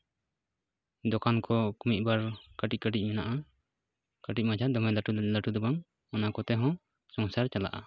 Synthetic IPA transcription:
d̪ɔkankɔkumic̪̚baɾkaʈic̚kəʈic̚ˀmɛnaʔa | kaʈic̚ˀmad͡ʒʱad̪ɔmɛlaʈulaʈud̪ɔbaŋ | anakɔt̪ɛɦɔ̃ | sɔŋsaɾt͡ʃala̰ʔa̰

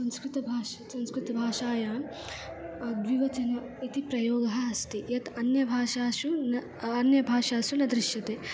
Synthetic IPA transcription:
sɐ̃nskɾit̪ɐbʱaːʃɐsɐ̃nskɾit̪ɐbʱaːʃaːjaːm | d̪ʋiʋɐt͡ʃɐnjɐ | it̪ipɾɐjoːɡʱɐɐst̪ijɐt̪ɐnjɐbʱaːʃaːʃunɐ | ɐnjɐbʱaːʃaːsunɐd̪ɾiʃjɐt̪eː

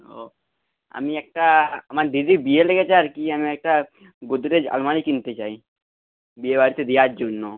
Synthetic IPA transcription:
ɦo | a̰miɛk̚ʈaamaɾɖid̪ibieleɡet͡ʃaɾkiamiɛk̚ʈa | ɡod̪ɾed͡ʒa̰lmaɽikint̪et͡ʃai | biebaɾit̪ed̪iad͡ʒonːo

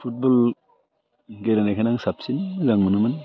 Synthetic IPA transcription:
pʰut̚bɔl | ɡelanakʰanaŋsap̚sinzaŋmunɯman

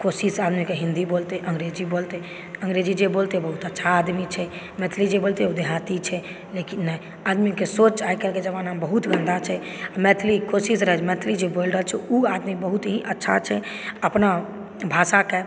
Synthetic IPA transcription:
kosisad̪mikeɦĩnd̪ibolt̪eʔəŋɡɾed͡ʒibolt̪e | əŋɡɾed͡ʒid͡ʒebolt̪ebəɦut̪ətːʃʰaːd̪mit͡ʃʰɛ | mɛt̪ʰlid͡ʒebolt̪eud̪eɦat̪it͡ʃʰɛ | lekinːɛj | ad̪mikesot͡ʃaikɛlked͡ʒəbanabəɦut̪ɡʱə̃nd̪at͡ʃʰɛamɛt̪ʰlikosisɾəɦɛt͡ʃmɛt̪ʰlid͡ʒebolɾəlt͡ʃʰɛuad̪mibəɦut̪ɦiʔətːʃʰat͡ʃʰɛ | əpna | bʱasake

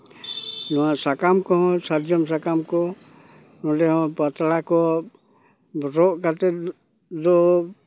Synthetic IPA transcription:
nɔwaʔsakamkɔɦɔ̃saɾd͡ʒɔmsakamkɔ | nɔɖɛɦɔ̃pat̪ɽakɔ | ɾɔʔkat̪ɛ | d̪ɔ

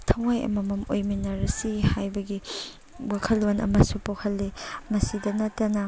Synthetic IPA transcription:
tʰɐwŋajɐ̰mɐmɐmo̰jminɐɾɐsihajbɐɡi | wakʰɐlːonɐ̰mɐsupohʰɐlːimɐsidɐnɐtːɐnɐ

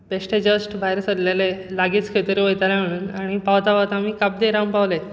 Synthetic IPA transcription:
beʂʈed͡ʑəsʈbʱajɾsəd̪lalelaɡiːt͡skʰet̪əɾiʋojt̪alam̤eɽ̃uːnaɽ̃ipaʋt̪aʋat̪amiːkap̚d̪eɾampaʋlet̪

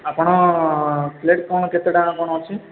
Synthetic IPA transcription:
apɽ̃ɔ | pleʈ̚kɔñket̪eɽãːpɔɽ̃ɔɦt͡ʃʰi

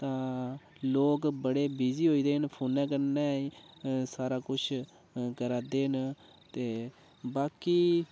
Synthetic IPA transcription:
t̪ãː | loːkbəɽeːbiːziːɦoːiːd̪eːnpʰoːnɛ̃ːk̬əɾnɛ̃ːiːsaːɾaːkʊt͡ʃʰ | kəɾaːd̪eːn | t̪eː | baːkiː

